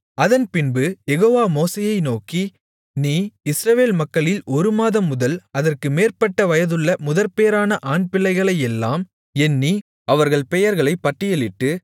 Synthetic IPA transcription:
ɐðɐnpɪnbɯjɛɣoːʋaːmoːseːjɐɪnoːki | niːɪsɾɐʋeːlmɐkːɐɭɪlɔɾɯmaːðɐmːʊðɐlɐðɐrkɯmeːrpɐʈːɐʋɐjɐðɯɭːɐmʊðɐɾpejɐɾaːnɐʔaːɳpɪɭːɐɪɣɐɭɐɪɛlːaːm | ɛnːi | ɐʋɐɾɣɐɭpɛjɐɾɣɐɭɐɪpːɐʈːɪjɐlɪʈːɯ

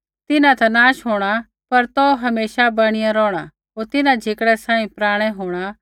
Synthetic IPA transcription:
t̪ɪnãt̪ɐnaːʃɦoːɽ̃a | pɐɾt̪ɔɦɐmeːʃabɐɽ̃ɪjãɾɔːɽ̃a | ɦoːɾt̪ɪnãd͡ʒʱeːkɽɛsãːĩpɾaːɽ̃ɛɦoːɽ̃a

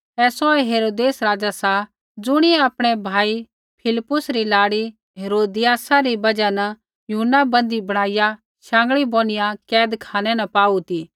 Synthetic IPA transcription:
ɛːsɔɛɦeːɾoːd̪eːsɾaːd͡ʒasa | d͡zʊɽ̃iɛɐpɽ̃ɛbʱaːi | pʰɪlɪpːʊsɾilaːɽi | ɦeːɾoːd̪ɪjaːsaɾibɐd͡ʒanɐ | juɦnːabɐ̃nd̪ibɐɽ̃aːɪja | ʃãːŋ̆ɡɭiboːñɪjakɛːd̪kʰaːñɛnɐpaːut̪iː

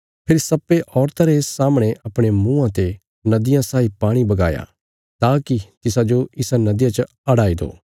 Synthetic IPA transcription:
pʰɪɾsɐpːeʔɔːɾt̪aɾeːsːaːmɽ̃eʔɐpɽ̃emũːãt̪e | nɐd̪ɪjãsaːipaːɽ̃ibɐɡa̰ːja̰ | t̪aːkit̪ɪs̬ad͡ʒoɪsanɐd̪ɪjãt͡ʃə | ɐɽaːid̪o̰ː

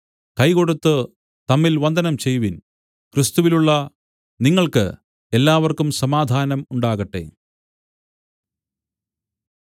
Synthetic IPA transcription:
kɐjko̞ɽut̪ːɨ | t̪ɐmːilʋɐnd̪ɐnɐmt͡ɕe̞jʋin | krist̪uʋiluɭːɐ | niŋːɐɭkɨ̰ | elːaːʋɐrkumsɐmaːd̪ʱaːnɐmuɳɖaːɣɐʈːe̞̰

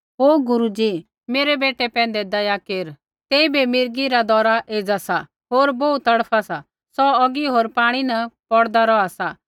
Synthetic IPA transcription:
ɦoːɡʊɾud͡ʒi | meːɾɛbeːʈɛpɛ̃ːnd̪ɛd̪ɐjakeːɾ | t̪eːibemɪɾɡiɾad̪ɔːɾaʔeːd͡zasa | ɦoːɾbɔut̪ɐɽpʰasa | sɔɔɡiɦoːɾpaːɽ̃inɐpɔɽd̪aɾɔasa

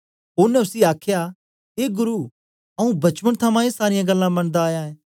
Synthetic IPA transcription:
ɦoːɾnɛʊsiaːkʰja | eːɡʊɾu | ɐũbɐt͡ʃʋəɽ̃t̪ʰɐmãesaːɾɪjãɡɐlːãbɐ̃ɽ̃d̪aːjãẽː

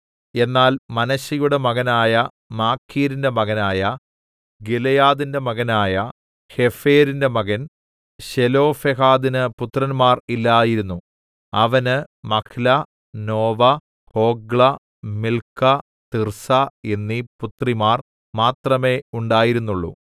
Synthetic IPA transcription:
e̞nːaːlmɐnɐɕɐjuɽe̞mɐɣɐnaːjɐ | maːkʰːiːɾinde̞mɐɣɐnaːjɐ | ɡilɐjaːðinde̞mɐɣɐnaːjɐ | he̞feːɾinde̞mɐɣɐn | ɕelo̞ːfeɦaːðinɨput̪rɐnmaːrilːajiɾunːu | ɐʋɐnɨmɐkʰilɐ | no̞ːʋɐ | ho̞ːɡɭɐ | milkːɐ | t̪irsɐenːiput̪rimaːr | maːt̪rɐme̞ːuɳɖaːjiɾunːuɭːṵ

